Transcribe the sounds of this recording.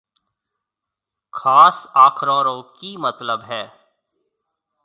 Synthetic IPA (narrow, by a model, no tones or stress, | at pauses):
xaːsaːkʰɾɔːɾõːkimɐt̪ləbɦɛː